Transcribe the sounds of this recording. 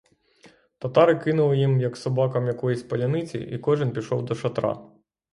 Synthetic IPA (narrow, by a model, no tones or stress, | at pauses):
t̪ɐt̪ɑɾɪkɪnʊlˠɪjimjɐksɔbɑkɐmjɐkɔjisʲpɐlʲɐnɪt͡sʲḭʔḭkɔʒɪnpʲiʃɔwd̪ɔʃɐt̪ɾɑ̰